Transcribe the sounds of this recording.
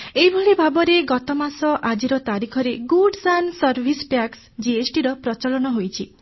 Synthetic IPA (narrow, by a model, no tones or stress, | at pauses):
eɦibʱɔɭibʱabɔɾeɡɔt̪ɔmasɔʔad͡ʒiɾɔt̪aɾikʰɔɾeɡuɖsansɔɾbʱispaks | d͡ʒiesʈiɾɔpɾɔt͡ʃɔlɔñɔɦojt͡ʃʰi